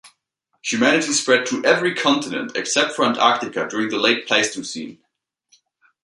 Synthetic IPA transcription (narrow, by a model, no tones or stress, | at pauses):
hjʉmænɨɾispɹɛd̚tʰəʔɛvɹikʰɑ̃ntɨnɨ̰̃ntʰɨksɛp̚tfəə̃ntak̚tɨkədʊɹɪ̃ŋðəleɪt̚pʰl̥eɪstʰʉsḭ̃n